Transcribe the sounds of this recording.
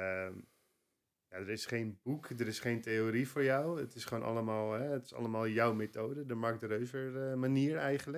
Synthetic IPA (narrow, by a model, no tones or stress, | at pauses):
əm | jadəɹɪsχejnbukdəɾɪsχejnteoːɾifʊːɹjɔwətɪsχoːnʔɑ̰ləmaːlˠɦɛətɪ̥sɑ̰ləmaːlˠjɔwmetoːdədəmaɹk̚dərøɥvəɹmaniːəɹɛjχənlə